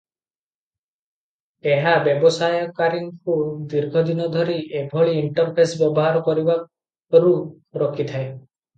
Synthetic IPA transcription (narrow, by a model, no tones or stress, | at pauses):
eɦabjɔbɔsajɔkaɾiŋkud̪iɾɡʱɔd̪inɔd̪ʱɔɾiʔebʱɔɭiːɳʈɔɾpʰesbjɔbɔɦaɾɔkɔɾiba | ɾu | ɾɔkʰit̪ʰae